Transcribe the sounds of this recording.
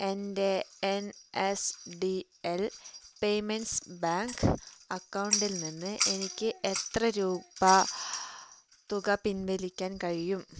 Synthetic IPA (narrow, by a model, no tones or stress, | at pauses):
endeenesɖi | elpe̞jmensbaːŋɡɨɐkːɐwɳɖilninːɨʔe̞nikʲːɨʔe̞t̪rɐɾuːbɐ | t̪uɣɐpinʋelikʲːaːnkɐɻijum